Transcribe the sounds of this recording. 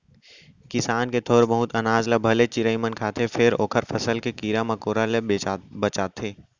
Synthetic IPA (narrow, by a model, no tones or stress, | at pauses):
kɪsaːnket̪ʰoːɾbɐɦʊt̪ɐnaːzlabʱɐlet͡ʃɪɾəimənkʰaːt̪ʰefʰɪɾo̰ːkʰəɾfʰɐsəlkekiːɾamɐkoːɾaleebɐt͡ʃaːt̪ʰeː